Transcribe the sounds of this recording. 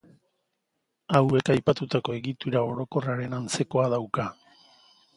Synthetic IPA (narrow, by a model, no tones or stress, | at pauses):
awe̞kajpat̪ut̪ako̞e̞ɣit̪uɾao̞ɾo̞ko̞raɾe̞nant͡se̞ko̞aðawka